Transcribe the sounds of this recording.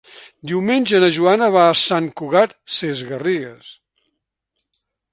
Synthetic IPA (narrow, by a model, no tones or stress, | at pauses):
d̪iwmenʲʒənəʒuanəβaːsaŋkuɣat̪̚sezɣəriɣəs